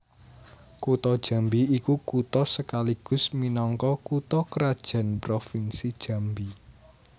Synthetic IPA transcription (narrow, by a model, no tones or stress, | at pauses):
kut̪ɔd̥ʒ̥ä̤mbiikukut̪ɔsəkaliɡ̥ʊ̤sminɔŋkɔkut̪ɔkəɾad̥ʒ̥a̤npɾofinsid̥ʒ̥ä̤mbi